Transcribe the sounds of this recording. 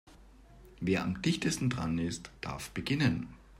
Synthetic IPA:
veːɐamd̥ɪçtəstn̩dʁa̰nɪstd̥a̰ɐfb̥əɡɪnən

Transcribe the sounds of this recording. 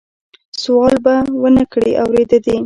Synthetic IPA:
sʊɑlbawənakɽḭʔawɾed̪ad̪i

